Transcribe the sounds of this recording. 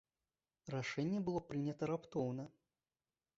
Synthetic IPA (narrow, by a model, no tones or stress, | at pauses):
raʂɛnʲːɛbɨlˠɔpɾɨnʲɐt̪ɐɾapt̪ɔwnɐ